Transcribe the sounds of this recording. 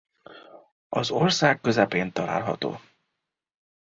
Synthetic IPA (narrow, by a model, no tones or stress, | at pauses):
ɒzo̞rsaːkːøzɛpeːnt̪ɒla̰ːlɦɒ̰t̪o̰ː